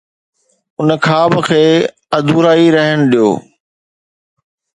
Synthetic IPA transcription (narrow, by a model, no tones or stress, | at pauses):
ʊnəkʰaːbkʰeː | ɐd̪ʱuːɾaːiɾɐɦəñʊɗijo̰ː